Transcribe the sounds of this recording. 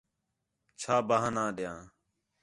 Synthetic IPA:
t͡ʃʰaːbaːɦanãːɗɪjãː

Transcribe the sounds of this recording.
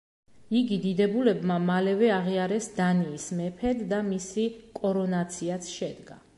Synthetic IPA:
iɡid̪id̪ɛbulɛbmamalɛvɛaʁiaɾɛsd̪aniːsmɛpʰɛd̪ːamisikʼɔɾɔnat̪sʰiat̪sʰʃɛd̪ɡa

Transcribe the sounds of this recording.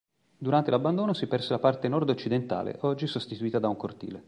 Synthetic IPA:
d̪uɾant̪elabːand̪oːnosipɛrselapart̪enɔrd̪ot͡ʃːid̪ent̪a̰ːlḛʔɔd͡ʒːisost̪it̪uiːt̪ad̪auŋkort̪ḭːle

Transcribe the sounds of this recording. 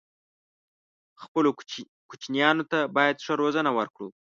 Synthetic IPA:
xpəlo | kut͡ʃnjɑnot̪abɑjad̪ʂəɾozənawəɾkɽṵ

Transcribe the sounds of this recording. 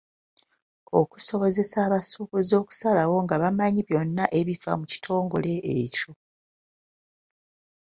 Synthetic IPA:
o̞̰ku̥so̞βo̞ze̞saːβasuβuzo̞ːku̥salawo̞ŋɡaβamaɲiβjo̞nːaʔe̞βiva̰muci̥tʰo̞ːŋɡo̞le̞ːco̞

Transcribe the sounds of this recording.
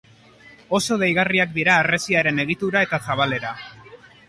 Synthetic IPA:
o̞so̞ð̞ejɣariak̚d̪iɾaːre̞siaɾe̞ne̞ɣ̞it̪uɾae̞t̪asaβ̞ale̞ɾa

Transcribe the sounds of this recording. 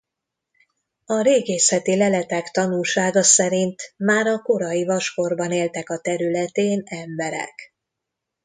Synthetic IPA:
ɒɾeːɡeːsɛt̪ilɛlɛt̪ɛkt̪ɒnulʃaːɡɒsɛɾint̪maːɾɒko̞ɾɒjivɒʃko̞rbɒneːlt̪ɛkɒt̪ɛɾylɛt̪eːnɛmbɛɾɛ̰k

